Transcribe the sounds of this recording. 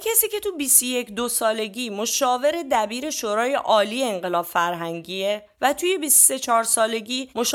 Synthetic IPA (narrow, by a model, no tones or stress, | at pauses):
kʰesiːce̞t̪ʰubist̪oje̞cʰd̪osɒːle̞ɟiːmoʃɒːve̞ɾe̞d̪æbiːɾe̞ʃoːɾɒːje̞ʔɒːliːjeːŋɢe̞lɒːb̥fæɾɦæŋɟiːe | væt̪ʰuːje̞bist̪se̞t͡ʃʰɒːɾsɒːle̞ɟiːmoʃ